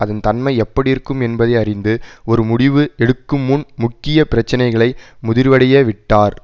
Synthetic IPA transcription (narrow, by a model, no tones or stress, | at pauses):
ɐðɐnt̪ɐnmɐɪɛpːɐɽɪjɪɾɯkːɯmɛnbɐðɐɪɐrɪnd̪ɯɔɾɯmʊɽɪʋɯɛɽɯkːɯmːʊnmʊkːɪjɐpɪɾɐt͡ʃːɐnɐɪɣɐɭɐɪmʊðɪɾʋɐɽɪjeːʋɪʈːaːɾ